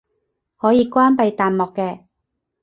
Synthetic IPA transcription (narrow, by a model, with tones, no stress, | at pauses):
hɔː˨˥jiː˧kʷwaː˥npɐ˧jt̪aː˨nmɔː˨kːɛː˧